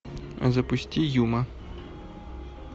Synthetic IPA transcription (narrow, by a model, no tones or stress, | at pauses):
ɐ̰zɐpʊsʲtʲijumɐ